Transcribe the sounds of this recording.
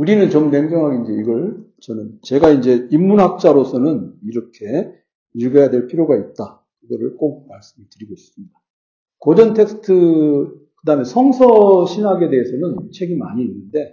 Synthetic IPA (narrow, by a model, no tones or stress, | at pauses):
uɾinɯnt͡ɕomnemɡjʌŋɦaɡeind͡ʑeiɡʌɭ | t͡ɕʌnɯnt͡ɕe̞ɡaind͡ʑe̞imːunɦak̚t͡ɕ͈aɾosʰʌnɯniɾʌkʰe̞ | iɭɡʌjadwe̞ɭpʰiɾjoɡait̚t͈a | kɯɡʌɾɯɭk͈ok̚maɭs͈ɯmitɯɾiɡois͈ɯmɲida | kʌd͡ʑʌntʰe̞ks͈ʰɯ̥tʰɯ | kɯdame̞sʰʌŋsʰʌɕʰinaɡe̞de̞ɦesʰʌnɯnt͡ɕʰe̞ɡima̰ɲiːnːɯnde̞